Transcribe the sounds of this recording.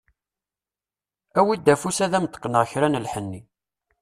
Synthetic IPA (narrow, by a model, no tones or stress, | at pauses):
æwid̪ːæfusæðæmt̪ə̥qːnəʁçɾænəlħənːi